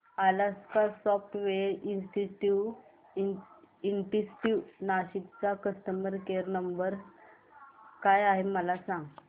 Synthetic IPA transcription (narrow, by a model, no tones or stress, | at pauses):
alaskasɔfʈʋeɾinsʈiʈiw | iɳʈisʈinaɕit̪t͡sakəst̪əməɾkeɾnəmbəɾ | kajaɦeməlasãŋɡ